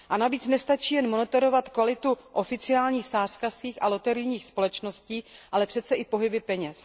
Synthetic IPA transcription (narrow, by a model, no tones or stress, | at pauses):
ʔanaviːt͡snɛst̪at͡ʃiːjɛnmo̞nɛt̪o̞ɾo̞vat̪kvalɪt̪uʔo̞fɪt͡sɪaːlɲiːxsaːr̥kafskiːxalo̞t̪ɛɾɪjɲiːxspo̞lɛt͡ʃnosciːʔalɛpr̥ɛt̪t͡sɛʔɪpo̞ɦɪbɪpɛɲɛs